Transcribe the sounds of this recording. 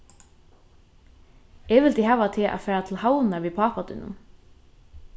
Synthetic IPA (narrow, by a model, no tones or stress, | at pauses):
ɛʋɪlt̪iɦaːʋat̪ʰeʔa̰fæːɹat̪ʰɪlhawnaʋipʰɑːpat̪ʏ̰nʊ̰n